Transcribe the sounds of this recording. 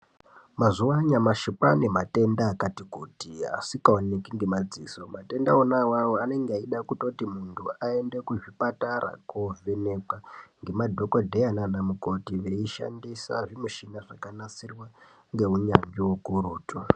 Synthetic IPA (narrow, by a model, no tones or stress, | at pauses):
mazuwaɲamaʃipanemate̞ndaːkatikutia̰sikaonekiŋɡe̞mad͡ziːso̞mate̞ndaonawawoane̞ŋɡeaiɗakutotimuntʰuae̞nde̞kuʐipatara̰kovenekwaŋɡe̞madʱo̞kodʱejananamuko̞tiʋe̞iʃa̰ndisa̰ʐimuʃinaʐakanat͡sirwa | ŋɡe̞uɲaŋɡiwokuɾuːtu